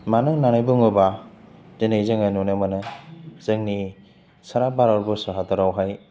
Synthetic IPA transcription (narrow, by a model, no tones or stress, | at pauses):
manɯnanɯjbuŋɯbadenejzɯŋajnunɯmanɯz̥ɯŋni | saɾabaɾawɾbɯsaɦataɾawɦaj